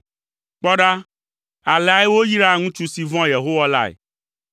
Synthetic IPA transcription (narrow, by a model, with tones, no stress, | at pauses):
k͡pɔ˦ɖa˦ | a˨lɛ˨a˨ɛ˦wo˦ji˦ɖa˦˨ŋũ˦t͡ʃu˦si˨vɔ̃˦je˨ɦo˦wa˦la˦ɛ̰˨